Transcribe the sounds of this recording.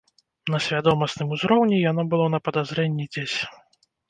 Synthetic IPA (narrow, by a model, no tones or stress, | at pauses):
n̪ɐsʲvʲad̪ɔmɐsnɨmuzɾɔwnʲijan̪ɔbɨlˠɔnɐpɐd̪azɾɛnʲːid͡zʲesʲ